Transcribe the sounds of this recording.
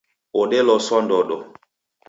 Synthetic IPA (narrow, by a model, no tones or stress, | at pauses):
oɗɛlɔswɔndɔɗɔ